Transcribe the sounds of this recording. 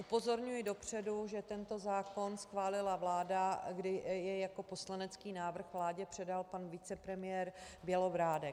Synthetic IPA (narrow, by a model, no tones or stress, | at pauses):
ʔupo̞zo̞ɾɲujɪdo̞pr̝̥ɛduʒɛt̪ɛnt̪o̞zaːko̞nsxvaːlɪlavlaːdaɡdɪjɛjako̞po̞slanɛt͡skiːnaːvr̩xvlaːɟɛpr̝̥ɛdalpanvɪt͡sɛpɾɛmɪjɛːɾbjɛlovɾaːdɛk